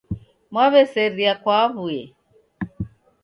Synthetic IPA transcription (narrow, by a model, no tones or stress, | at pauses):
mwaβɛsɛɾiakwaβujɛ